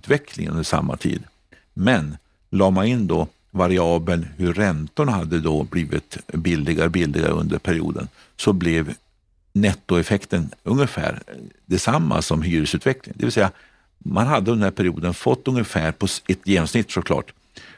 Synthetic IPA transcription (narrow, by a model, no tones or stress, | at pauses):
ʉːt̪vɛkʰlɪ̰ŋɵ̰nd̪əʂa̰mːa̰t̪ʰḭːd̪ | mɛn | lɑːmanɪnːd̪ɔ | vaɾɪɑːbənhɵːɛnt̪ʊɳahad̪ːəd̪ɔbliːvɪt̪bɪld̪ɪɡaɾbɪld̪ɪɡa̰ɾ̰ɵ̰nd̪əɾpʰæɾɪṵːd̪ə̰n | sɔblɛv | nɛt̪ːʊɛfɛkt̪ənɵŋːəfæ̰ːɾd̪ɛsamːa̰sɔmɦyːɾəsʉ̟ːt̪vɛklɪ̰ŋd̪ɛ̰vɪlsɛjːa | manɦad̪ːənənæɾpʰæɾɪuːd̪ənfɔt̪ːɵŋəfæːɾpʰɔɛt̪ːjeːnɔmsnɪt̪ːsɔkʰlɑ̰ːʈ